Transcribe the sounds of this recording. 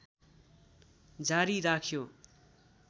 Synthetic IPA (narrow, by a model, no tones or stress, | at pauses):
d͡zaɾiɾakʰjo